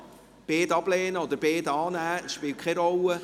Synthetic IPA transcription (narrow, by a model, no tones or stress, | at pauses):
b̥eːdɑb̥lɛːnəɔd̪əɾbeːdɑːnæːʃpɪːlkʰχɛɾɔlə